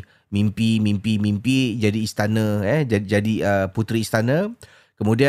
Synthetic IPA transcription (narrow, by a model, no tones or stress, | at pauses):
mimpimĩmpimimpid͡ʒadiːst̪anə̃ɛd͡ʒad͡ʒadiəput̪ɾiːst̪anə̃ | kəmũdia